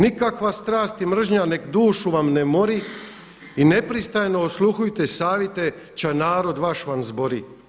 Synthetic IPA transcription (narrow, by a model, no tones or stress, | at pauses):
nikakʋast̪ɾaːst̪imr̩ʒɲane̞kd̪uːʃuʋamnemo̞ɾi | ine̞pɾist̪ajno̞oslˠuxujt̪esaːʋjet̪e | t͡ɕanaːɾo̞d̪ʋaʃʋanzbo̞ɾi